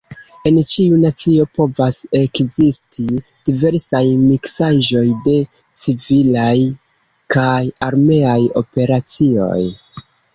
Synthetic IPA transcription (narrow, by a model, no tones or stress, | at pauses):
e̞nt͡ʃiunat͡sio̞po̞vase̞kzistʰid̥ive̞ɾsajmiksaʒo̞jde̞ | t͡sivilaj | kajaɾme̞ajo̞̰pe̞ɾat͡sio̞̰j